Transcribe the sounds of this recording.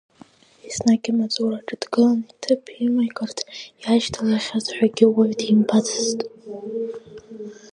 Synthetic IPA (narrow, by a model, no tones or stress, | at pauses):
isnaɡʲʼɪmat͡sʼoraʈ͡ʂʼɨdɡɨlanitʰɨpʰimajkʼɨrtʰiaʒtʰalaχʲazħʷᶣaɡʲɪwaɥtʰimbʰatʰɨztʼ